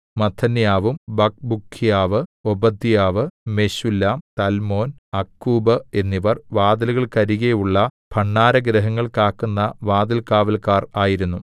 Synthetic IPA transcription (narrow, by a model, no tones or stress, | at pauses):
mɐt̪ʰːɐnjaːʋumbɐk̚bukʰːijaːʋɨobɐd̪ːijaːʋɨme̞ɕulːaːmt̪ɐlmo̞ːnɐkːuːbɨe̞nːiʋɐrʋaːd̪ɐluɣɐɭkɐɾiɣejuɭːɐpʰɐɳːaːɾɐɡɾɐɦɐŋːɐɭkaːkːunːɐʋaːd̪ɐlkaːʋɐlkaːraːjiɾunːu